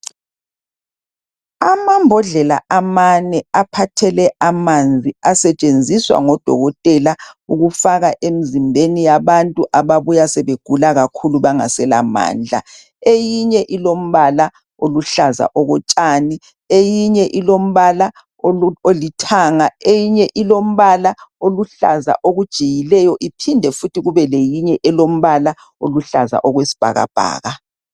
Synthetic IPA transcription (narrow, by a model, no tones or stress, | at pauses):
amambʱɔɮɛla̰ʔamanɛapʰatʰɛlɛʔamand͡zʱiasɛt͡ʃʼend͡zʱiswa̰ŋɔd̥ʱɔ̰ɣɔtʼɛlauɣufaɣaʔem̩zimbʱenijaβantʼuʔaβaβujasɛβeɡ̥ʱulaɣakʰuluβaŋa̰sɛla̰ma̰ːnd͡ɮʱa̰ | ejiɲɛʔilom̩βala | oluɬaza̰ʔɔɣɔt͡ʃʼaːni | ejiɲɛʔilom̩βala | ouolitʰaːŋaejiɲɛʔilom̩βalaoluɬa̰za̰ʔoɣud̥ʒ̥ʱijilɛjɔʔipʰindʱɛfutʰiɣuβɛlejiɲɛʔɛlom̩βala | oluɬaza̰ʔɔɣwesi̥b̥ʱa̰ɣa̰b̥ʱa̰ːɣa